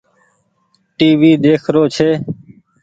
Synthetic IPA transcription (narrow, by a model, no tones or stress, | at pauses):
ʈiːʋiːd̪eːkʰɾoːt͡ʃʰeː